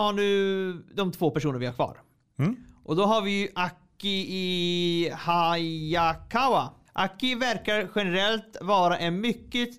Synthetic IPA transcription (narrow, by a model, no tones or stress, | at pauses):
haɳʉ̟ːd̪ɔmt̪ʰvoːpæʂuːnəɾvɪhaɾkʰvɑ̰ːɾ | ʔɔd̪ɔɦaɾvɪjʔakːɪɪ | haakʰawa | ʔakːɪvæɾkaɾɧɛnɛɾɛlt̪vɑːɾaʔɛnmʏkːə